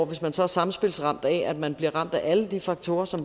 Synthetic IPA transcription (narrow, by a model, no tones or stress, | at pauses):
ʋe̝smænsɒ̽æɐsɑ̈mn̩sb̥e̝lsʁɑ̈m̰d̥ɛæd̥mænb̥liɐʁɑ̈m̰d̥æʔæləd̥ifɑ̈ɡ̥t͡sʰo̝ːɐsɒ̽m